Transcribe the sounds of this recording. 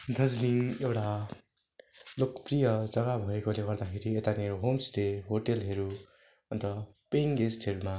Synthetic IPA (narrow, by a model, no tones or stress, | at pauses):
d̪ʱʌd͡zliŋewʈa | lokprijʌd͡zʌɡabʱʌekoleɡʌɾd̪akʰeɾiet̪aneɦomsteɦoʈelɦʌɾu | ʌnt̪ʌ | peŋɡesʈʰeɾma